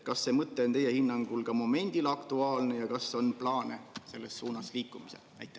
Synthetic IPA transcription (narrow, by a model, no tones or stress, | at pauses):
kɑsːe̞mɤt̪ːˑe̞o̞nt̪e̞jehinːɑŋɡ̥ulkɑmo̞me̞nʲd̪̥ilɑkt̪uɑːlne̞jɑkɑsːo̞nplɑːne̞se̞lːesːuːnɑsliːkːˑumisḛ | æ̰jt̪ːˑe